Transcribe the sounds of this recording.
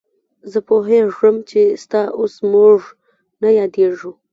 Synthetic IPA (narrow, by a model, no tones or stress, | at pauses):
zəpoɦeʐəmt͡ʃest̪ɑʔosmuʐ | najɑd̪eʐu